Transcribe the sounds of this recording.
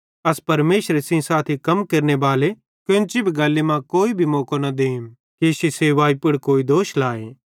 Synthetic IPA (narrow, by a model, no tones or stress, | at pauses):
ɐspɐɾmeːʃɾesɪ̃saːt̪ʰikɐmkɐɾnebaːle | kjõnt͡ʃɪbʱiɡɐlːemãkoːibʱimoːkonɐd̪eːm | kisiseːʋaːipɪɽkoːid̪oːʃlaːe